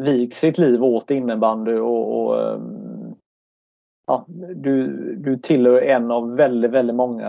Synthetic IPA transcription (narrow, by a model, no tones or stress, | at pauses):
viːɡsɪt̪liːvoːt̪ɪnːəband̪əɔɔ̰ | ɑ̰ːd̪ɵd̪ɵt̪ʰɪlhœːɛnːɑvːɛld̪ɪt̪vɛld̪ɪt̪mɔŋːa̰